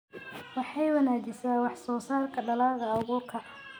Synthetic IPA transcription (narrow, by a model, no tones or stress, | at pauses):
wɑħɑjwɐnaːd͡ʒɪsaːnwɑħsɔːsaːrkʰɐɖɐlaːðɐʊɣʊkʰɐʕ